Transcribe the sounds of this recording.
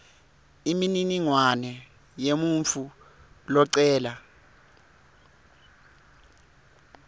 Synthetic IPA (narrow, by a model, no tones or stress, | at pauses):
imininiŋwanɛ | jemuɱfu | lɔǀɛːla